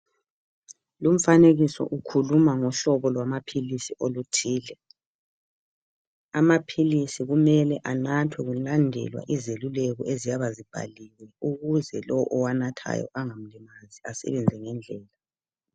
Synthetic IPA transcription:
lum̩faneɣisɔ̰ʔukʰulumaŋɔɬɔβɔlwamapʰilisiolutʰiːlɛ | amapʰilisiɣumɛlɛʔanatʰwɛɣulandʱɛ̰lwa̰ʔizelulɛɣɔ̰ezijaβazib̥ʱa̰liwɛuɣuzɛlɔwʔɔwanatʰa̰jɔ̰ʔaŋam̩limaziasɛ̰βɛnd͡zʱɛŋɛnd͡ɮʱɛːla

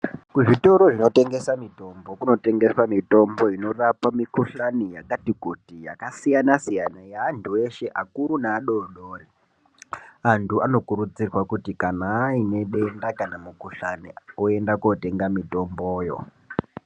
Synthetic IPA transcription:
kuʐito̞ɾoʐino̞te̞ŋɡe̞samito̞mbo̞kuno̞te̞ŋɡe̞swamito̞mbo̞ino̞rapamikuɬanijakatikutija̰kasijanasijanajaːntʰue̞ʃe̞ʔakuɾunaːɗo̞ɗoːri | antʰuano̞kuɾud͡zirwakutikanaːine̞ɗe̞ndakanamukuɬanioe̞ndakote̞ŋɡamito̞mboːjo̰

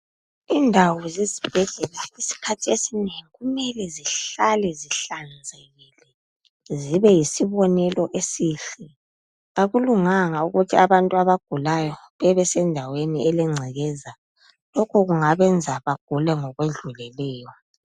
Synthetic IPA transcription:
iːndʱawɔzezib̥ʱɛɮɛlaisi̥kʰatʰiesineŋiɣumɛlɛziɬalɛziɬand͡zʱeɣilɛ | ziβɛjisiβɔnɛlɔʔesiɬi | aɣuluŋaŋauɣutʰiaβantʼuaβaɡ̥ʱulajɔβɛβɛsɛndʱaweniʔɛlɛŋ͡ǀʱiɣɛza | lɔkʰɔɣuŋaβɛnd͡zʱaβaɡ̥ʱulɛŋɔɣweɮulɛlɛːjɔ

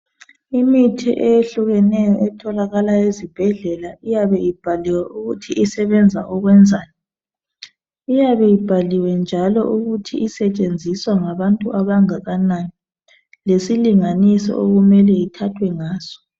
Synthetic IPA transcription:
imitʰḭʔɛjeɬuɣɛnɛjɔʔɛtʰɔlaɣalajezib̥ʱɛɮɛlaʔijaβɛib̥ʱaliwɛʔuɣutʰiʔisɛβɛnd͡zʱaʔɔɣwɛnd͡zʱaːjɔ | ijaβɛjib̥ʱaliwɛnd͡ʒʱalɔ̰ʔuɣutʰiʔisɛt͡ʃʼend͡zʱiswaŋaβantʼuʔaβaŋaɣanani | lesiliŋanisɔ̰ʔoɣumɛlɛjitʰatʰwɛŋaːz̥ɔ̥

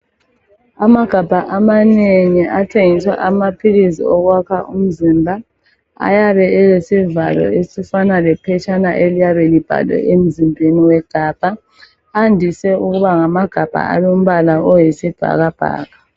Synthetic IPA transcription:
amaɡ̥ʱab̥ʱaʔamaneŋiatʰeŋiswa̰ʔamapʰilizḭɔɣwakʰaʔṵm̩zimbʱa | a̰jaβɛɛlesivalɔ̰esifanalɛpʰɛt͡ʃʼanaʔelijaβɛlib̥ʱa̰lɛ̰ʔem̩zimbʱeniwɛɡ̥ʱab̥ʱa | andʱisɛuɣuβaŋamaɡ̥ʱab̥ʱa̰a̰βom̩βalaɔjesib̥ʱa̰ɣab̥ʱa̰ːɣa

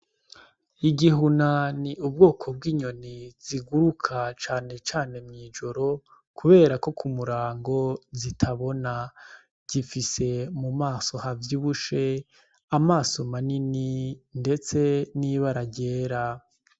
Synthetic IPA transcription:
iɟiɦunaniub̚ɡo̞ːkʰo̞b̚ɡiːɲo̞niz̥iɡuɾukʰat͡ʃaːne̞t͡ʃaːne̞mɲiːd͡ʒo̞ɾo̞ | kuβe̞ːɾako̞kʰumuɾaːŋɡo̞zitʰaβo̞na | ɟ̥ifise̞mumaːso̞havjuβuʃe̞ | amaːso̞manininde̞t͡se̞niβaɾaɟe̞ːɾa

